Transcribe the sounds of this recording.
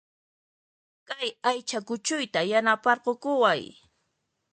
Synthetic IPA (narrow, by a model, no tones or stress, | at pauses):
kajajt͡ʃakʊt͡ʃʊjt̪ajanapɑɾqokʊwaj